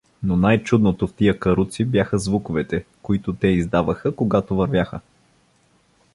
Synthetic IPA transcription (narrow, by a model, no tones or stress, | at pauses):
nonajt͡ʃud̪not̪oft̪ijəkɐɾut̪sibjaxəzvukovɛt̪ɛkoit̪ot̪ɛizd̪avəxəkoɡat̪ovɐɾvʲjaxə